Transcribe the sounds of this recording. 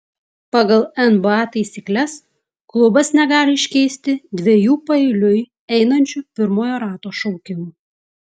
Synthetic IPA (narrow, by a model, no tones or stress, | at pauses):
pɑɡɐlˠɛnbɑːt̪ɐɪsʲiːklʲɛs | klˠʊbɐsnʲɛɡɑːlʲɪɪʃʲkʲɛɪsʲt̪ʲɪd̪ʲʋʲejuːpɐɛɪlʲʊj | ɛɪnɐnʲt͡ʃʲʊpʲɪɾmoːjoːɾɑːt̪oːʃɔʊkʲɪmuː